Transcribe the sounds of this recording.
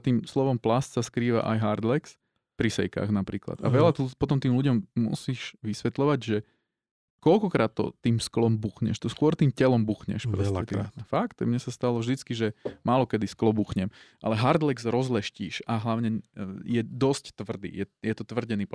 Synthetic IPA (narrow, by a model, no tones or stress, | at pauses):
t̪iːmslɔʋɔmplast̪saskɾiːʋa̰ʔajɦaɾd̪lɛks | pɾisɛ̰jka̰ːɣnapɾiːkla̰t̪a̰ʋɛlat̪upɔt̪ɔmt̪iːmluɟɔmːṵsiːʒʋisʋɛt̪lɔʋaɟʒɛ | kɔlkɔkɾaːt̪ːɔ̰t̪iːmsklɔmbuxɲɛ̰ʃt̪ɔskʊɔɾt̪iːmcɛlɔmbuxɲɛ̰ʃpɾɔsɛt̪fakt̪mɲɛsast̪alɔvʒd̪it͡skiʒɛmʔaːlɔkɛd̪isklɔbuːxɲɛmʔa̰lɛɦaɾd̪lɛɡzɾɔzlɛʃciːʃaɦlaʊɲɛjɛd̪ɔsct̪ʋr̩d̪ḭːjɛjɛt̪ɔt̪ʋr̩ɟɛniːp